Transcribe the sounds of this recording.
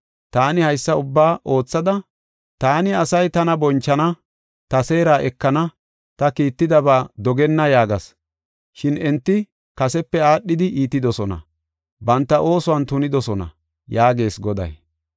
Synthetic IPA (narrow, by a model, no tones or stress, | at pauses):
t̪aːnɪhɐjsːɐʊbːaːʔo̞ːt͡sːɐd̪ɐ | t̪aːnɪɐsɐjt̪ɐnɐbɔnt͡ʃːɐnɐ | t̪ɐse̞ːɾaːʔɛkːɐnɐ | t̪ɐkiːt̪ːɪd̪ɐbaːd̪ɔɡɛnːɐjaːɡɐs | ʃɪnɛnt̪ːɪ | kɐsɛpːɛaːɗːɪd̪ɪʔiːt̪ːɪd̪ɔsɔnɐ̰ | bɐnt̪ːɐʔo̞ːsʊwɐnt̪ʊnɪd̪ɔsɔnɐ̰ | jaːɡe̞ːsɡɔd̪ɐ̰j